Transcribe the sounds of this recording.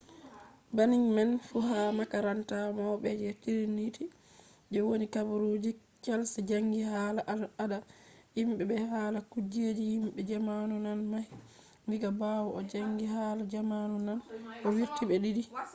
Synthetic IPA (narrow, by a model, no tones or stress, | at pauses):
baniɲmɛnfuhamakaɾantamɔɓɛd͡ʒɛtiɾinːitʰi | d͡ʒɛwonikabuɾud͡ʒi | kɛlsɛd͡ʒaŋɡihaːlaʔadahimɓɛbɛhaːlakud͡ʒed͡ʒihimɓɛd͡ʒamanunanmah | ndiɡabawɔɔd͡ʒaŋɡiɦaːlad͡ʒamanunanʔɔwiɾtibɛɗidi